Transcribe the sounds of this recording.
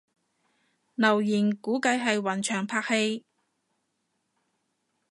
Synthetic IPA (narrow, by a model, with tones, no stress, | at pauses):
nɐ˨˩wjiː˨˩nkuː˨˥kɐ˨˥jɦɐ˨jwɐ˨˩nt͡ʃʰœː˨˩ŋpʰaː˧k̚he˧j